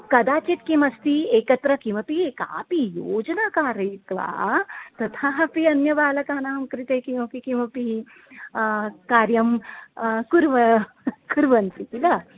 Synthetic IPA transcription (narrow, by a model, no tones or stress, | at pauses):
kɐd̪aːt͡ʃit̪kimɐst̪ieːkɐt̪ɾɐkimɐpieːka̰ːpijoːd͡ʒɐnaːkaːɾɐːt̪ʋa̰ːt̪ɐt̪ʰaːpiɐnjɐʋaːlɐkaːnaːɐmkɾit̪eːkimɐpikimɐpi | kaːɾjɐm | kuɾʋɐ | kuɾʋɐnsik̪ilɐ